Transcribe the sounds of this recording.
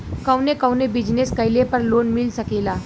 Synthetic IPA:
kɐʊnekɐʊnebɪd͡ʒneskɐɪlepɐɾloːnmɪlsɐkeːlaː

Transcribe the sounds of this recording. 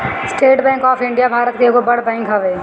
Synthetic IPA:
sʈeːʈbɛ̃ːŋkɔːpʰɪ̃ɳɖijabʱaːɾət̪̚keɡobɐɽbɛ̃ːŋkɦɐʋeː

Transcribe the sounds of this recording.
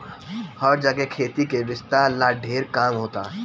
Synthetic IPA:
hɔːɾd͡ʒaːkekʰeːt̪ikeʋɪst̪alaːɖʱeːɾkaːmɦoːt̪aː

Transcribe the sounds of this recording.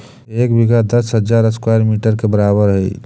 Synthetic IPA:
ekbiɡʱad̪əsɦəd͡ʒaɾəskwajɾmiʈəɾkebəɾaβəɾɦə

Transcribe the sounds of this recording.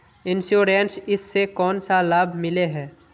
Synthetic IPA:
ɪnʃuːɾeːnsɪsːekɔːnsalaːbʱmɪleɦɛː

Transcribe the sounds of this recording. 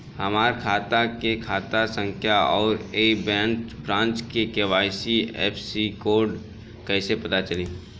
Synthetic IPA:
hɐmaːɾkʰaːt̪akekʰaːt̪asə̃ŋkʰjaɔːɾeːbɛ̃ːnkbɾãːnt͡ʃkekeʋaːɪsiɛ̰ːpʰsikoːɾɖ | kɛɪsepɐt̪at͡ʃɐlĩː

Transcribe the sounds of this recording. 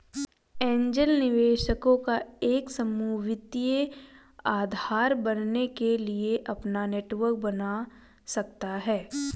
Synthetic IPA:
ẽːɲd͡ʒəlnɪʋeːʃəkõkaeːksɐmuːʋɪt̪je | aːd̪ʱaːɾbɐnnekelieʔɐpnaneːʈʋəɾk̚bɐna | sɐkt̪aɦɛː

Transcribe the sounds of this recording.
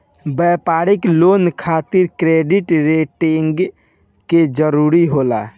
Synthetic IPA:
bɛpaɾiklonkʰat̪ɪɾkɾeɖiʈɾeʈiŋɡ | ked͡ʒəɾuɾiɦola

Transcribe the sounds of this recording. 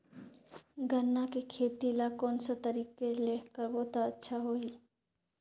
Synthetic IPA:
ɡʱənːakikʰeːt̪ilakɔːnsat̪ɐɾiːkːeleːkəɾboːt̪aətːʃʰaɦoiː

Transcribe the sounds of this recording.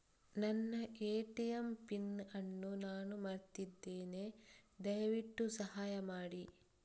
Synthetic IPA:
nɐnːɐʔeːʈijɐmpinɐnːunaːnumɐɾt̪id̪ːeːne̞d̪ɐjʋiʈːusɐɦaːjɐmaːɽi

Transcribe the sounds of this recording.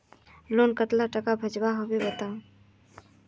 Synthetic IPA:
lonkət̪laʈəkabʱəd͡ʒbaɦobebət̪ã

